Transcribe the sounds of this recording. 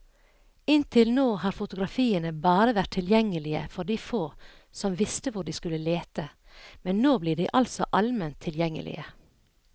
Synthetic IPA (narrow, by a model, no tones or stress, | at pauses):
ɪnt̪ʰɪlnoːhɑːɾfʊt̪ʊɡɾɑfiːənəbɑːɾəʋæʈ̪ʰɪljɛŋːəlɪə̰fɔɖiːfoː | sɔmʋɪst̪əʋʊɖiːskʉləleːt̪ə | mɛnnoːbliːɖiːʔɑlsɔʔɑlmɛnt̪ʰːɪljɛŋːə̰lʔɪ̰ə